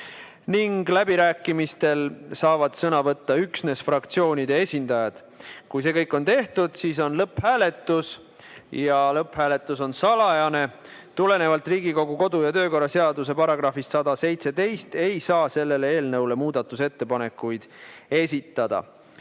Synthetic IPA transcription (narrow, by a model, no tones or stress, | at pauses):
niŋɡlæbiɾæːkːˑimist̪e̞lsɑːvɑd̪̥sɤnɑvɤt̪ːɑyksne̞sfrɑkt̪sio̞ːnʲid̪e̞e̞sʲind̪ɑjɑd̪̥ | kujsekɤjkːˑo̞nt̪e̞ht̪ud̪̥siːso̞nlɤpːhæːle̞t̪ːˑus | jɑlɤphæːle̞t̪ˑːuso̞nsɑlɑjɑne̞t̪ule̞ne̞vɑlt̪riːɡiko̞ɡuko̞d̪ujɑt̪ø̞ːko̞rːɑse̞ɑd̪us̬e̞pɑɾɑɡ̥ɾɑfist̪sɑd̪ɑse̞jt̪set̪e̞jst̪e̞jsɑːse̞lːe̞lee̞ːlnɤwle̞muːd̪̥ɑt̪ːˑuse̞t̪ːe̞pɑne̞kːˑujd̪̥e̞sʲit̪ːˑɑd̪̥ɑ̰